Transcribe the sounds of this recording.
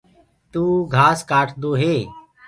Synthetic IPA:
t̪uːɡʱaːskaːʈʰd̪oːɦeː

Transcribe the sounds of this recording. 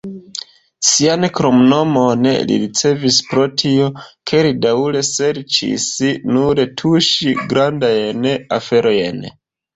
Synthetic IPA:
siankɾomno̞mon̰lḭɾit͡se̞vispɾo̞tʰio̞kʰe̞lidaule̞se̞ɾt͡ʃḭsinuɾetʰuʃiɡɾandajnafe̞ɾo̞jen

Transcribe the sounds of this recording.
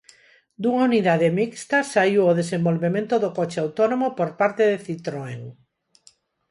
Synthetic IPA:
d̪uŋauniðaðemikst̪asaiwoð̞esembolβemẽnt̪oðokot͡ʃeawt̪onõmopoɾpaɾt̪eðeθit̪ɾoeŋ

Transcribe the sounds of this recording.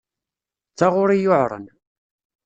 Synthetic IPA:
t͡sːaʁʊɾijʊʕɾˤə̰n

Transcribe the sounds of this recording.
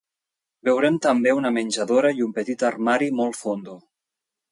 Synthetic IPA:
bewɾɛmt̪əmbeunəmenʲʒaðoɾəjumpət̪it̪armaɾimɔlˠfond̪u

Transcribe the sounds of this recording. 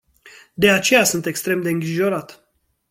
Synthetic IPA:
d̪e̞at͡ʃe̞jasɨnt̪e̞kst̪ɾe̞md̪e̞ɨŋɡɾiʒo̞ɾat̪

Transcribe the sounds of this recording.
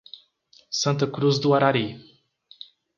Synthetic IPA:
sɐ̃nt̪əkɾuzd̪uaɾaɾi

